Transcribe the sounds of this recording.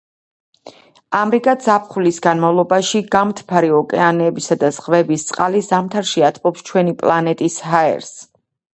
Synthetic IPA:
amɾiɡʼad̪z̥apʰχulisɡanmavlˠɔbaʃiɡamt̪ʰpʰaɾiɔkʼɛanɛbisad̪az̥ʁvɛbist̪sʼqʼalizamt̪ʰaɾʃiat̪ʰpʼɔpst͡ʃʰwɛnipʼlˠanɛt̪ʼisɦaɛ̰ɾs

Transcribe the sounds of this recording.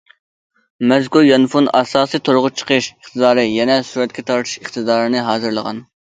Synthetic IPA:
mɛzkuljɑnfunɑsɑːsijt̪ʰoɾʁʊt͡ʃʰə̥qʰəʃəχt̪ʰɨd̪ɑːɾɨjɛnɛsuɾɛt̪̚kʲʰɛt̪ʰɑɾt̪ʰɨ̥ʃəχt̪ɨd̪ɑːɾɨnɨɦɑːzɨɾlˠəʁɑ̰n

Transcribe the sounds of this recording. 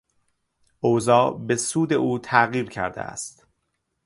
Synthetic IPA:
ʔozɒːbe̞suːd̪e̞ʔuːt̪ʰæɣiːɾcʰæ̰ɾd̪ḛʔæ̰st̪

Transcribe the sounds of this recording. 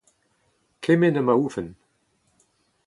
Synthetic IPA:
kʰɪmɪnəmauːfən

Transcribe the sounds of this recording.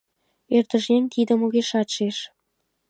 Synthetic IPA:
ert̪əʒenʲt̪id̪ə̆moɣeʃɑt̪ʃeʃ

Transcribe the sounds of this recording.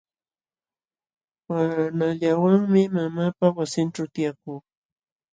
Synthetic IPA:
wanaʎawaŋmɪmamaːpawasɪnʈ͡ʂawt̪ɪjak̚uː

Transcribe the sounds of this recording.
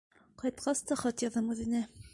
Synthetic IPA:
qɑjt̪qʰɑst̪ɑχɒt̪jɑðɑmʉðɘ̆nɘ

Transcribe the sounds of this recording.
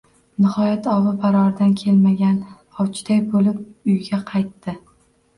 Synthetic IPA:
nɪhɒjat̪ʰɒwɪbaɾɒɾd̪ankʲʰe̞lmaɡʲan | ɒwt͡ʃʰɪ̥d̪ajbolɪp̚ʊjɡʲaqʰɑjt̪ːɪ

